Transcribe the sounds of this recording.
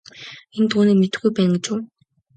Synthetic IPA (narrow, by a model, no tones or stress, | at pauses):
ent̪uːniːmet̪ɘ̆xɡujpæːŋɡɪt͡ɕuː